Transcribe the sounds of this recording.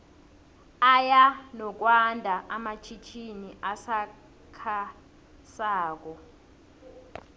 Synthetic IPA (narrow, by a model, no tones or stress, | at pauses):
ajanɔk̬wandʱaʔamat͡ʃʰit͡ʃʰiniʔasa | kʰa | saːk̬ɔ